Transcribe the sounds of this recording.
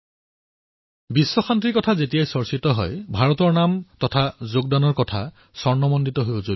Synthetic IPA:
bisːɔxantɹiɹkɔtʰazetijajsɔɹsitɔɦɔ̰jbʱaɹɔtɔɹnamtɔtʰazoɡ̚danɔɹkɔtʰa | sɔɹnɔmɔnditɔɦojzo

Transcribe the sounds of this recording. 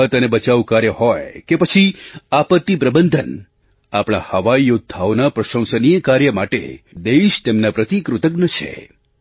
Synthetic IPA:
ət̪ənebət͡ʃaʋukaɾjəɦojkepət͡ʃʰiapət̪ːip̬ɾəbənd̪ʱən | apɽ̃a̰həʋaijud̪̚t̪ʰːaʋnapɾəʃə̃w̃sənijəkaɾjəmaʈḛd̪eʃt̪emnapɾət̪ikɾut̪əɡnət͡ʃʰḛ

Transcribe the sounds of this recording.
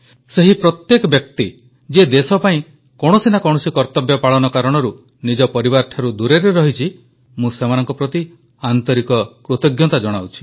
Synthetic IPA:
seɦipɾɔt̪jekɔbjɔk̚t̪i | d͡ʒed̪esɔpaĩ | kɔɽ̃ɔsinakɔɽ̃ɔsikɔɾt̪ɔbjɔpaɭɔnɔkaɾɔɽ̃ɔɾu | nid͡ʒɔpɔɾiβaɾʈʰaɾud̪uɾeɾeɾɔɦit͡ʃʰi | mũsemanɔŋkɔpɾɔt̪i | ant̪ɔɾikɔkɾut̪ɔɡjɔt̪ad͡ʒɔɽ̃awt͡ʃʰi̥

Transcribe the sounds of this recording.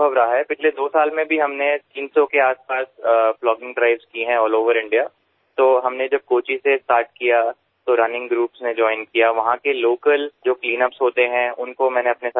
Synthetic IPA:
əbɾaɦaɦɛpɪt͡ʃʰled̪oːsaːlmẽbʱiɦɐmnet̪iːnsõkeaːspaːsplɔːɡɪ̃ŋɡɖɾaɪʋzkiɦɛ̃ɔːloːʋəɾɪ̃ɳɖijaː | t̪oːɦɐmned͡ʒɐb̚koːt͡ʃisesʈaːɾʈ̚kija | t̪oɾɐnɪ̃ŋɡɡɾuːpsned͡ʒɔːɪnkijaʋɐɦãkeloːkəld͡ʒoːkliːnəpsɦoːt̪eɦɛ̃ʊnkomɛ̃ːneɐpnes

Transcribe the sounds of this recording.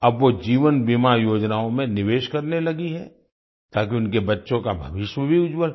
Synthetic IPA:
ɐbʋod͡ʒiːʋənbimajoːd͡ʒnaːõmẽnɪʋeːʃkɐɾnelɐɡiɦɛ̰ | t̪aːk̬iʊnkebɐtːʃõkabʱɐʋɪʃwəbʱiʊd͡ʒwəl

